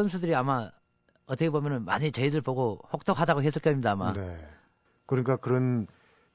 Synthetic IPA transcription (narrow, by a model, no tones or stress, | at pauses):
ʌnsʰudɯɾiama | ʌt͈ʌkʰebomjʌnɯnma̰ɲit͡ɕeidɯɭpoɡoɸok̚t͈okɦadaɡoɦe̞s̬͈ʰɯɭk͈jʌimɲidaːma̰ne | kɯɾɲik͈akɯɾʌn